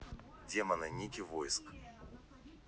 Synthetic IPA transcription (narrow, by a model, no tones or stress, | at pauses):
dʲemɐnɨnʲikʲivojsk